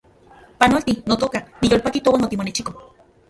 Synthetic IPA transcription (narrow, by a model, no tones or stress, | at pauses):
panolt̪inot̪oːkanijoːlpakit̪owanot̪imonet͡ʃiko